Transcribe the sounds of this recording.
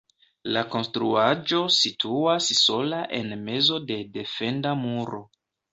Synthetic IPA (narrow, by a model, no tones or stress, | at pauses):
lako̞nstɾuad͡ʒo̞sitʰuasso̞laʔe̞nme̞zo̞de̞de̞fe̞ndamuɾo̞